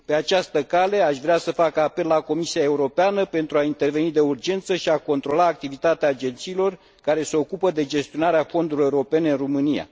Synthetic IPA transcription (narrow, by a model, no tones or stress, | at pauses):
pe̞at͡ʃast̪əkale̞aʃvɾeasəfakape̞lːako̞misiae̞uɾo̞peanəpe̞nt̪ɾuaint̪e̞rve̞nid̪e̞urd͡ʒe̞nt̪səʃiako̞nt̪ɾo̞laːk̚t̪ivit̪at̪eaːd͡ʒe̞nt̪siːlo̞r | kaɾe̞se̞o̞kupəd̪e̞d͡ʒe̞st̪io̞naɾeafo̞nd̪uɾileuɾo̞pe̞neɨnromɨnija̰